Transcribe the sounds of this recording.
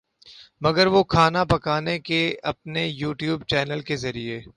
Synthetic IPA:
mɐɡəɾʋokʰaːnapɐkaːnekeɐp̚nejuːʈjuːbt͡ʃɛːnəlkezɐɾieː

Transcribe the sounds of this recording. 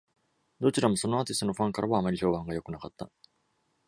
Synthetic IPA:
d̪o̞t͡ɕiɾamo̞so̞no̞aːt̪ʲist̪onoɸãŋkaɾʔaβaamaɾʲiɕo̞ːbãŋɡajo̞kɯ̟nakat̪ːa

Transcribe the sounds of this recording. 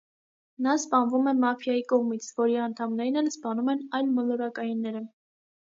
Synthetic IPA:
nɑspɑnvumɛmɑfjɑjikɔʁmit͡sʰvɔɾiɑnt̪ʰɑmnɛɾinɛlspɑnumɛnɑjlmɔlɔɾɑkɑjunːɛɾə

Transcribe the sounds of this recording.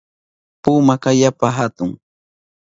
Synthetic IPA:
puːmakajapaɦat̪ʊŋ

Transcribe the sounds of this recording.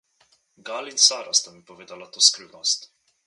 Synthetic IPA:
ɡaːlinsaːɾast̪amipɔʋeːd̪alat̪oːskɾiwnɔst̪

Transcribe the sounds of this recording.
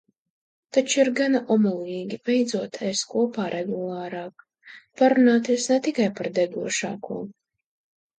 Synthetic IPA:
t̪at͡ʃuiɾɡanaʔɔmɔliːɡʲibʲɛjd̪zuɔt̪ʰɛskuɔpaːɾʔɛɡulˠaːɾɑːk | paɾunaːt̪iɛsnɛt̪ikajpaɾd̪ɛɡuɔʃa̰ːkuɔ

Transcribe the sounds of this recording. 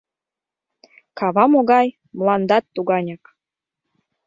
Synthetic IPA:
kɑβɑmoɣɑj | mlˠɑnd̪ɑt̪ːuɣɑnʲɑk

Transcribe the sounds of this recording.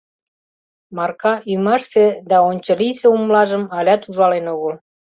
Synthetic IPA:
mɑrkɑʔyməʃsed̪ɑonʲt͡ɕə̆liseumlɑʒəmɑlʲɑt̪uʒɑlenoɣəl

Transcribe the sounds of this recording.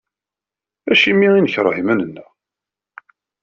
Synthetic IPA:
æʃimːiinəçəɾˤhimænənːæ

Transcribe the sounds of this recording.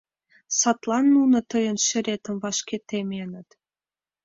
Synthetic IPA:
sɑt̪lɑnːunɤ̆t̪ə̆jə̆nʃɘ̆ɾet̪ə̆mvɑʃket̪emenə̆t̪

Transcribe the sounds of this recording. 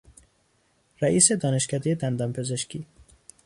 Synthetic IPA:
ɾæʔiːsed̪ɒːneʃkʰæd̪ejed̪ænd̪ɒːmpʰezeʃkʰiː

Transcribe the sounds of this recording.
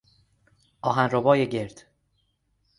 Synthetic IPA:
ʔɒːɦænrobɒːjeɟeɾd̪̥

